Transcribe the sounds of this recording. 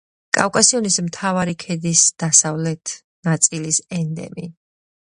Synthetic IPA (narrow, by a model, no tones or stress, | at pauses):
kʼa̰fkʼasiɔnismt̪ʰavaɾikʰɛd̪isd̪̥asavlɛt̪ʰ | nat̪sʼilisɛnd̪ɛ̰mi